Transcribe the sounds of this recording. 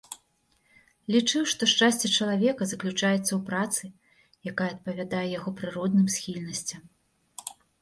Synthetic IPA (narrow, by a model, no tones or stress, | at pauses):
lʲit͡ʂɨwʂt̪ɔʂt͡ʂasʲt͡sʲɛt͡ʂɐlˠavʲɛkɐzɐklʲut͡ʂajɛt̪sːɐwpɾat̪sɨ | jakajɛɐt̪̚pɐvʲad̪ajɛjaɣɔpɾɨɾɔd̪nɨmsʲxʲilʲnɐsʲt͡sʲɐm